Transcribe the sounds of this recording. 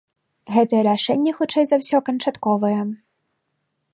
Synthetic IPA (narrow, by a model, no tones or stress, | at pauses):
ɣɛt̪ɐjɛɾaʂɛnʲːɐxut͡ʂɛjzɐwsʲɔkɐnt͡ʂat̪kɔvɐjɛ